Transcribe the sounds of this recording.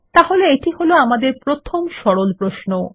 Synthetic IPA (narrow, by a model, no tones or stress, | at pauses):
t̪aɦoleeʈiɦoloamad̪eɾpɾot̪ʰomʃɔɽolpɾoʃno